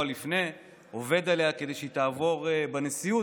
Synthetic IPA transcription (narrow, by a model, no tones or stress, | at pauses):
alifne | ove̞d̪ale̞ake̞d̪ejʃet̪aːvo̞ʁbenesiju